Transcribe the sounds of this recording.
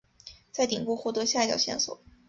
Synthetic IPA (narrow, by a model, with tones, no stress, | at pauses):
t͡sa˥˩ɪt̪i˨˩ŋpu˥˧xwɔ˥˩t̪ɤ˧˥ɕja˥˧˩t͡ɕjɑ̰˨˩ʊɕjɛ̰˥˩nswɔ̰˨˩˦